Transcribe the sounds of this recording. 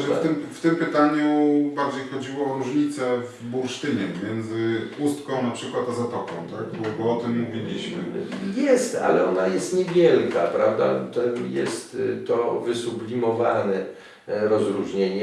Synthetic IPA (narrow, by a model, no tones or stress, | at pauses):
t̪ɘmft̪ɘmpɘt̪aɲubaɾd͡ʑejxɔd͡ʑiwɔɔɾuʐɲit̪sɛv | buɾʂt̪ɘɲɛpɔmʲjɛnd̪zɘust̪kɔ̃w̃napʂɘkwat̪azat̪ɔkɔ̃w̃t̪aɡ̚bɔbɔɔt̪ɘmːuvʲilʲiɕmɘ̰jɛst̪a̰lɛɔnajɛst̪ɲɛvʲjɛlka̰pɾa̰vd̪a̰t̪ɛmjɛst̪t̪ːɔvɘsublʲimɔvanɛ | ɾɔzɾuʐɲeɲɛ